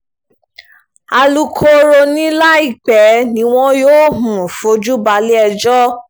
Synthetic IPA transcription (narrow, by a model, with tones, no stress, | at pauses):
a˧lu˧kʰo˧ɾo˧nĩ˦la˦i˦˨k͡pɛ˨˦nĩ˦w̃ɔ̃˦joː˦ɦũ˨fo˨˦d͡ʒu˦ba˧le˦ɛ˧d͡ʒɔ˦